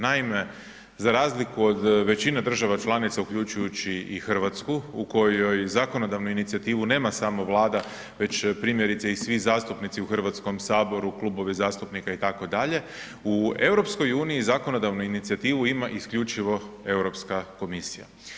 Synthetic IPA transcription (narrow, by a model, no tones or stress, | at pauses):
naime̞ | zaɾaːzlikuo̞d̪ʋe̞t͡ɕinad̪ɾr̩ʒaʋat͡ʃlˠanit̪saukʎut͡ʃujut͡ɕiixr̩ʋat̪skuuko̞jo̞jzako̞nod̪aʋnuinit̪sijat̪iːʋune̞ːmasaːmo̞ʋlˠaːd̪a | ʋe̞t͡ɕpɾiːmje̞ɾit̪seisʋizaːst̪upnit̪siuxr̩ʋat̪sko̞msaːbo̞ɾuklˠubo̞ʋizaːst̪upnikait̪ako̞d̪aʎe̞ | ue̞wɾo̞psko̞juːniizako̞nod̪aʋnuinit̪siat̪iːʋuimaʔiskʎut͡ʃiʋo̞e̞wɾo̞pskako̞misija̰